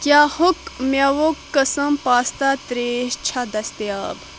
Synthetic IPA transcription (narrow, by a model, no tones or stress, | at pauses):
kjaːhokmʲɐʋokːɐsɐmpaːst̪at̪ɾeːʃt͡ʃʰad̪ɐst̪jaːb